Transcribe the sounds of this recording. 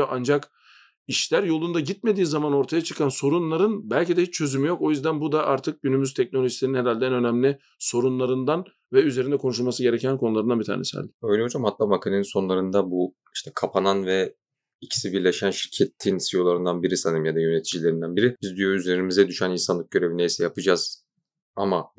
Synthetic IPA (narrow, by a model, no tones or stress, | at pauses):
ʔand͡ʒak | iʃlʲæɾjo̞lˠund̪aɟit̪̚me̞d̪iːzamano̞ɾt̪ʰajat͡ʃʰɯ̥kʰanso̞ɾunlˠaɾɯnbælʲcid̪ɛhit͡ʃt͡ʃʰø̞zymyjo̞ko̞jyzd̪ænbud̪aʔaɾt̪ʰɯk̚ɟynymyzt̪ʰɛc̚no̞lʲo̞ʒisʲeɾinheɾalʲd̪ɛnø̞næmlʲɪ | so̞ɾunlˠaɾɯnd̪an | vɛyze̞ɾind̪ɛkʰo̞nuʃ̬ulˠmasɯɟe̞ɾecʰænkʰo̞nulˠaɾɯnanbit̪ʰa̰ːnesia̰lʲd̪ɪ̥øjlʲɛɦod͡ʒamhat̪lˠaːmakʰaneninso̞nlˠaɾɯnd̪abu | i̥ʃt̪ʰɛ̥kʰapʰananvɛ | icʰi̥sibiɾlʲeʃænʃi̥ɾcʰet̪ʰːinsijo̞lˠaɾɯnd̪anbiɾisanɯmjad̪ajønet̪ʰid͡ʒilʲe̞ɾind̪ænbiɾibizd̪yjoyze̞ɾimizɛd̪yʃæninsanlˠɯk̚ɟø̞ɾe̞vinejsɛjapɯd͡ʒaz̥ | ama